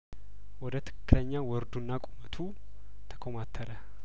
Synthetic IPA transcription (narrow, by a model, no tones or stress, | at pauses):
wɔd̪ət̪ʰɨ̥kʰːɨləɲːawɔɾd̪unːakʼumət̪ʰu | t̪ʰə̥kʰomat̪ʰːəɾə